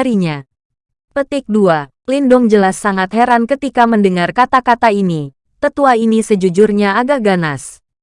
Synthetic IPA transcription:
ɾiɲa | pət̪ɪk̚dua | lindʊŋd͡ʒəlasːaŋat̪heɾankət̪ikaməndəŋarkat̪akat̪aini | t̪ət̪uainisəd͡ʒud͡ʒʊrɲaaɡaɡanas

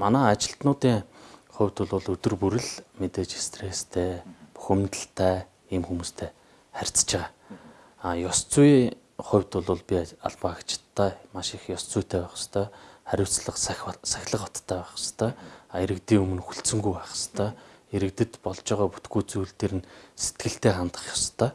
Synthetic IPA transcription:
manæːat͡ɕɪ̆ɬt̪nʊːt̪iːŋχʊ̟wʲt̪ʊɮʊɮɵt̪ɵ̆rpuɾɘ̆ɮmet̪eːt͡ɕest̪ʰreːst̪ʰeːpu̥xɘ̆mt̪ə̆ɬt̪ʰæː | iːmxumuːst̪ʰeː | χær̥ʲt͡st͡ɕɪʁaː | ajɔst͡sʊj | χʊ̟wʲt̪ʊɮʊːɮpʲia̰ɮpăxt͡ɕɪ̥t̪ʰːæːmaʃɪ̆xjɔst͡suːjʰt̪ʰæːpæːχə̥̆st̪ʰœːχæɾʲʊːt͡sɮə̆qsæ̥xʲɮə̆qɔt̪t̪ʰːæːpæːχə̆st̪ʰœːaeɾɘ̆kt̪iːɵmɘ̆nxuɬt͡sɵ̆ŋɡujpaχə̥̆st̪ʰœːeɾɘ̆kt̪ɘ̆t̪pɔɮt͡ɕɔːʁɔːpu̥t̪ɡuːjt͡sujɮt̪eːɾɘ̆nse̥t̪ɡɘ̆ɬt̪eːχant̪ə̆χjɔst̪ʰœː

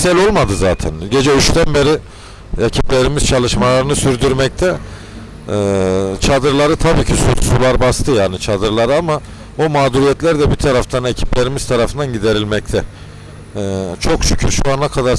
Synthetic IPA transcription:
sɛlʲo̞lˠmad̪ɯzaːt̪ʰɛnɟe̞d͡ʒɛyt͡ʃt̪ʰænbe̞ɾi | ecʰiplʲe̞ɾimiz̥t͡ʃʰalˠɯʃmalˠaɾɯnɯsyɾd̪yɾmɛc̚t̪ʰɛ | t͡ʃʰad̪ɯɾlˠaɾɯt̪ʰabiːcʰisṵɾsulˠaɾbast̪ʰɯjaːnit͡ʃʰad̪ɯɾlˠaɾɯama | bumaːd̪uɾijɛt̪lʲæɾd̪ɛbit̪ʰaɾaft̪ʰanecʰi̥plʲe̞ɾimiz̥t̪ʰaɾafɯnd̪anɟid̪e̞ɾilʲmɛc̚t̪ʰɛ | t͡ʃʰo̞kʃy̥cʰyɾʃuanakʰad̪aɾ

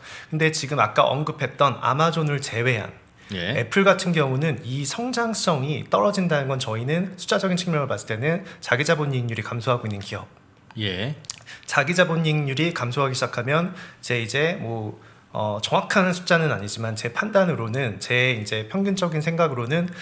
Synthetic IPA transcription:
kʰɯnde̞t͡ɕiɡɯmak̚k͈a̰ʔʌ̰nɡɯpʰe̞t̚t͈ʌna̰mad͡ʑonɯɭt͡ɕe̞we̞ɦa̰n | jee̞̰pʰɯɭɡatʰɯnɡjʌŋunɯnisʰʌŋd͡ʑaŋs͈ʌŋit͈ʌɾʌd͡ʑindanɯnɡʌnt͡ɕʌinɯnsʰu̥t͡ɕ͈ad͡ʑʌɡint͡ɕʰiŋmjʌŋɯɭpast͈e̞nɯnt͡ɕaɡid͡ʑaboɲiŋɲuɾikamsʰoɦaɡoinːɯnkijʌp̚ | je | t͡ɕaɡid͡ʑaboɲiŋɲuɾikamsʰoɦaɡiɕʰid͡ʑakʰamjʌnt͡ɕe̞id͡ʑe̞mwʌ | ʌ̰t͡ɕʌŋwakʰannsʰu̥t͡ɕ͈anɯna̰ɲid͡ʑimant͡ɕe̞pʰandanɯɾonɯnt͡ɕe̞ind͡ʑe̞pʰjʌŋɡint͡ɕ͈ʌɡinsʰeŋɡaɡɯɾonɯn

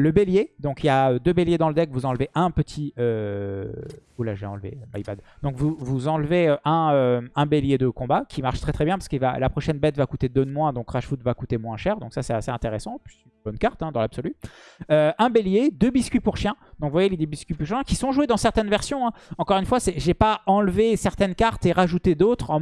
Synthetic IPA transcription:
ləbeljed̪ɔ̃kijaød̪øbeljed̪ɑ̃ləd̪ɛkvuzɑ̃lveʔɛ̃pət̪ʰiø | ulaʒveɑ̰̃lvḛma̰jpa̰d̪d̪ɔ̃kvuvuzɑ̃lveøʔɛ̃øɛ̃beljed̪əkɔ̃bakʲimaʁʃt̪χɛt̪χɛbjɛ̃paʁskilva̰lapχɔʃɛnbɛt̪vakut̪ed̪ømwɛ̃d̪ɔ̃kʁaʃfut̪vakut̪emwɛ̃ʃɛʁd̪ɔ̃ksasɛt̪aseɛ̃t̪eʁesɑ̃pɥisynbɔnkaʁt̪ɛ̃d̪ɑ̃labsɔlyøɛ̃beljed̪øbiskʲɥipuʁʃjɛ̃d̪̥ɔ̃kvwajeled̪øbiskʲɥipuʁʃjɛ̃kʲisɔ̃ʒwed̪ɑ̃sɛʁt̪ɛnvɛʁsjɔ̃ɛ̃ɑ̃kɔʁynfwasɛʒepaɑ̃lvesɛʁt̪ɛnkaʁt̪eʁaʒut̪ed̪ot̪χɑ̃

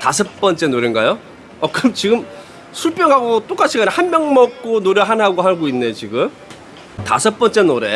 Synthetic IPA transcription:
tasʰʌp̚p͈ʌnt͡ɕ͈e̞noɾenɡajo | ʌkɯɾmt͡ɕiɡɯm | sʰuɭp͈ʰjʌŋɦaɡot͈ok͈at͡ɕʰiɡanhanmjʌŋmʌk̚k͈onoɾjʌɦanɦaɡoɦaɭɡoinːet͡ɕiɡɯm | ta̰sʰʌp͈ʌnt͡ɕ͈e̞noɾe̞

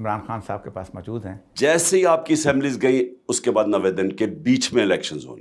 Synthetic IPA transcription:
ɪmɾaːnxaːnsa̰ːb̚kepa̰ːsmɔːd͡ʒuːd̪ɦɛ̃ːd͡ʒɛːseɦiaːp̚kiɐsɛ̃ːmbliːzɡɐĩʊskebaːd̪nɐʋed̪ɪnkebiːt͡ʃʰmẽɪlɛːkʃənzɦo̰ːne

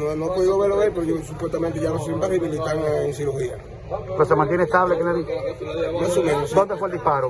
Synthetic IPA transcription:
onõapoðiðoβeɾoβeɾpeɾoosupwest̪amẽnt̪eʝaɾosuβimpaɾiβilit̪aŋeŋsiɾuxia | kosemant̪jenest̪aβlekenaði | masomẽnosd̪ond̪efoeld̪ispaɾo

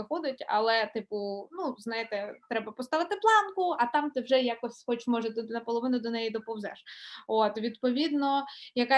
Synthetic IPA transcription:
ɪxɔd̪ɪtʲɐ̰lˠɛt̪ɪpʊnuznɑjɪt̪ɛt̪ɾɛbɐpɔst̪ɑʋɪt̪ɪplˠɑnkʊɐt̪ɑmt̪ɪwʒɛjakɔsʲxɔt͡ʃmɔʒɛt̪t̪nɐpɔlˠɔʋɪnʊd̪ɔnɛjid̪ɔpɔwzɛ̰ʃot̪ʋʲid̪pɔʋʲid̪nɔjɐka

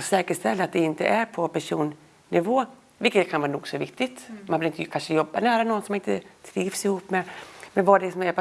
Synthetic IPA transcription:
sɛːkəʂt̪ɛlːaat̪̚d̪ɛɪnt̪ə̰ʔæɾpʰɔpʰæʂuːn | nɪvoː | vɪlkːət̪kʰanvɑːɾnṵːɡsɔvɪk̚t̪ɪt̪manvɪlɪnt̪əkʰanʂəjɔbːa̰næːɾanɔnːsɔmɪnt̪ət̪ʰɾiːvsɪhuːpːmɛmɛnvad̪ɛsɔmæɾpʰ

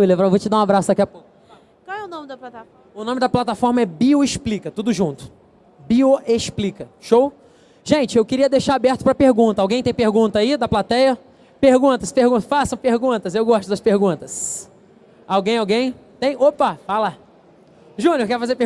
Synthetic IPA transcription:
ilevɾavot͡ʃɪd̪aũabɾasʊd̪ɐkiapokʊ | kawɛʊnõmɪd̪ɐplat̪aɔ | ʊnõmɪd̪ɐplat̪afɔɾmɐɛbioesplikɐt̪ud̪ʊʒũnt̪ʊ̥ | bioesplikɐʃow | ʒẽnt͡ʃɪewkɪɾiɐd̪eʃaabɛɾt̪ʊ̥pɾɐpehɡũnt̪ɐawɡẽj̃t̪ẽj̃pehɾɡũt̪ɐːid̪ɐplat̪ɛjɐ | pehɡũt̪ɐspehɡũt̪fasɐ̃w̃pehɡũt̪ɐsewɡɔʃt̪ʊd̪ɐspehɡũnt̪ɐs | awɡẽj̃awɡẽj̃t̪ẽj̃opafala | ʒũnʊoɾkɛɾfazeɾpe

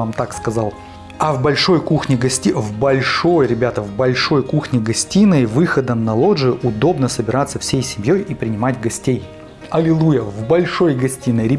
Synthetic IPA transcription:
amt̪akskɐzalˠ | ɐvbɐlʲʂo̞jkuxnʲɪɡɐsʲtʲivbɐlʲʂo̞jɾʲɪbʲat̪əvbɐlʲʂo̞jkuxnʲɪɡɐsʲtʲinəjvɨxəd̪əmnɐlˠo̞ʐɨʔʊd̪o̞bnəsəbʲɪɾat̪sːəfsʲejsʲɪmʲjo̞jipɾʲɪnʲɪmatʲɡɐsʲtʲej | ɐlʲɪlˠujəvbɐlʲʂo̞jɡɐsʲtʲinːəjɾʲɪ

